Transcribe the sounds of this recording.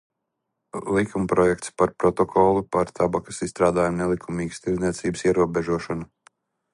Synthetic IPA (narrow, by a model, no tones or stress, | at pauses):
lˠikumpɾɔjɛk̚t̪spaɾpɾɔt̪ɔkʰɔlˠupaɾt̪ʰabakɐ̥sisst̪ɾaːd̪aːjamnɛlˠikʰumiːɡst̪izniɛt̪siːbəsiɛɾuɔbɛʒuɔʃɔnu